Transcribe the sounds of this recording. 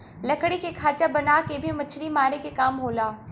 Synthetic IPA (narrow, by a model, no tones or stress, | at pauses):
lɐkɽikekʰaːt͡ʃabɐnaːkebʱimɐt͡ʃʰɽimaːɾekekaːmɦoːlaː